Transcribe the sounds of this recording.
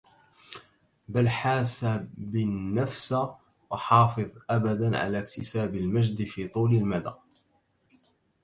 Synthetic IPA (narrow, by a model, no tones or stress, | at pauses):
balħaːsabɪnːafs | wɑħɑːfɨðˤʔabad̪anʕa̰lakt̪ɪsaːbɪlmaʒd̪fiːt̪ˤuːlɪlmad̪a̰